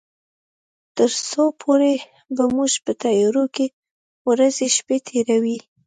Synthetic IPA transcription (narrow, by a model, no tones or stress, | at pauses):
t̪əɾsopʰoɾe | bamuʒpət̪ajɑɾoke | wɾazeʃpet̪ʰeɾawi